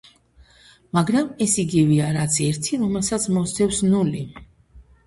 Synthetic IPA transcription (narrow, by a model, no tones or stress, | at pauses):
maɡɾamɛsiɡivɛaɾat̪sʰɛɾt̪ʰiɾɔmɛlˠsat̪sʰmɔsʰɛfsnuli